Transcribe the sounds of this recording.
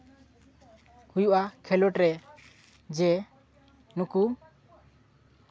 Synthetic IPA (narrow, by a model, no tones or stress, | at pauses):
kujuʔakʰɛlɔʈɾɛ | d͡ʒɛ | nuku